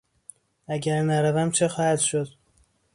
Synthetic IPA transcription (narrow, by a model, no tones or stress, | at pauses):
æɟæɾnæɾævæmt͡ʃʰexɒːhæd̪ʃod̪̥